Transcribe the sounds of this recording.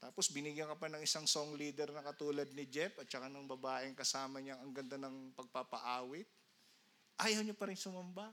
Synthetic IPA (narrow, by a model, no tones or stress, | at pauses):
t̪aːpo̞sbɪnɪɡjɐŋkɐpanɐŋʔɪsaŋso̞ŋliːd̪ɛɾnɐkɐt̪uːlɐd̪̚nɪd͡ʒɛpʔɐt̪̚t͡ʃɐkanɐŋbɐbaːʔɪŋkɐsaːmɐɲɐŋɐŋɡɐnd̪anɐŋpɐɡ̚papɐ̰ʔaːwɪt̪̚ | ʔaːjɐwɲopɐɾɪnsʊmɐmba